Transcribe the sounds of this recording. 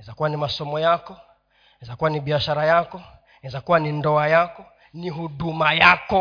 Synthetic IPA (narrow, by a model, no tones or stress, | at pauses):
zakuwanimasɔmɔjakɔ | ɛzakuwaniɓiaʃaɾajakɔ | nzakuwanindɔajakɔ | niɦuɗumajakɔ